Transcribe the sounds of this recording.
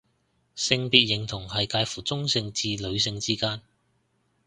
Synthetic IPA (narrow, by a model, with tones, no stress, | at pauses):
sɪ˧ŋpiː˨˧t̚jɪ˨˩ŋt̪ʰʊ˨˩ŋhɐ˨jkaː˧jfuː˨˩t͡sʊ˥ŋsɪ˧ŋt͡siː˧lɵ˨˧ɥsɪ˧ŋt͡siː˥kaː˥n